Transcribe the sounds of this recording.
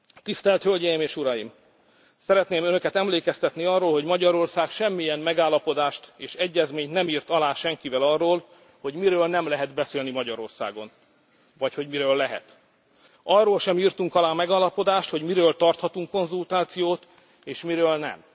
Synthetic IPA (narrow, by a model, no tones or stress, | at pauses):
t̪ist̪ɛlt̪hølɟɛjimeːʃuɾɒjim | sɛɾɛt̪neːmønø̞kɛt̪ɛmleːkɛst̪ɛt̪niɒrːoːlɦo̞ɟmɒɟɒɾo̞rsaːkʃɛmːiɛmmɛɡaːlːɒpo̞d̪aːʃt̪eːʃɛɟːɛzmeːɲt̪nɛmiːrt̪ɒlaːʃɛŋkivɛlɒrːoːl | ho̞ɟmiɾøːlnɛmlɛɦɛd̪bɛseːlnimɒɟɒɾo̞rsa̰ːɡo̞n | vɒcho̞ɟmiɾøːlːɛɦɛ̰t̪ | ɒrːoːlʃɛmiːrt̪uŋkɒlaːmɛɡaːlːɒpo̞d̪aːʃt̪ho̞ɟmiɾøːlt̪ɒrt̪hɒt̪uŋkːo̞nzult̪aːt̪sijoːt̪ | eːʃmiɾøːlnɛ̰m